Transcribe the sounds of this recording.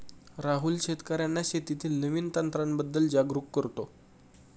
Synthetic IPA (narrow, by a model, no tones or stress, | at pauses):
ɾaɦulɕet̪kaɾjanːaɕet̪it̪ʰiːlnəʋint̪ant̪ɾambəd̪ːəld͡ʑaɡɾukːəɾt̪o